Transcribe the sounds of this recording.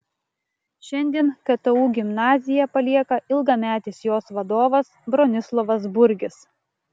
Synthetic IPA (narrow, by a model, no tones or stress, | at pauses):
ʃʲɛnʲd̪ʲiɛnkɐt̪ɐuːɡʲɪmnɑːzʲɪjɛpɐlʲiɛkɐʔɪlˠɡɐmʲæːt̪ʲɪːsjoːsʋɐd̪oːʋɐsbɾɔnʲɪslˠɔʋɐsbʊɾʲɡʲɪs